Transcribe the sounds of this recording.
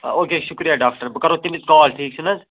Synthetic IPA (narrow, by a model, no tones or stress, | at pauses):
oːkeːʃʊkɾijaɖaːk̚ʈɐɾbɐkɐɾot̪imiskɔːlʈʰiːksʰunɐz